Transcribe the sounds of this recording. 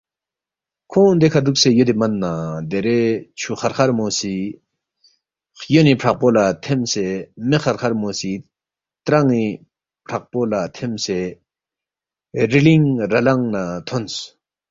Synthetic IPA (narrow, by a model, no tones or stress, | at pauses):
kʰõnd̪ekʰad̪uk̚sejod̪emanːad̪eɾet͡ɕʰuχarxʰaɾmosi | χjonipʰrak̚polat̪ʰemsemexʰarkʰaɾmosi | t̪ɾaŋni | pʰak̚polat̪ʰemse | riliŋɾalaŋnat̪ʰons